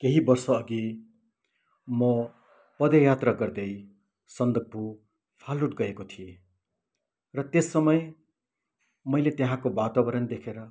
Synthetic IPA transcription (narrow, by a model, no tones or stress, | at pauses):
keɦibʌrsʌːɡi | mʌ | pʌd̪ʌjat̪raɡʌrd̪ʌj | sʌnd̪ʌk̚bʱu | pʰaluʈɡʌekot̪ʰije | rʌt̪esːʌmʌj | mʌjlet̪eɦãkobat̪abʌɾʌnd̪ekʰeɾʌ